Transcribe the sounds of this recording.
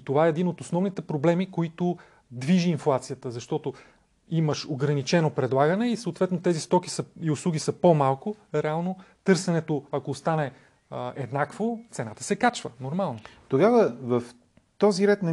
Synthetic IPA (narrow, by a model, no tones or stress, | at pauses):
t̪ovaɛːd̪inot̪osnɔvnit̪ɛpɾoblɛmikoit̪ʊ | d̪viʒiːnflˠat̪sijət̪əzɐʃt̪ɔt̪o | iməʃoɡɾɐnit͡ʃɛnopɾɛd̪lˠaɡənɛisəʊt̪vɛt̪not̪ɛzist̪ɔkisəiʊslˠuɡʲisəpomalˠkʊɾɛalˠnot̪ɤɾsɛnɛt̪oɐkoːst̪anɛ | ɛd̪nakvot̪sɛnat̪ə̥sɛkat͡ʃvənoɾmalˠnot̪oɡavəvəf | t̪ɔziɾɛt̪nɐ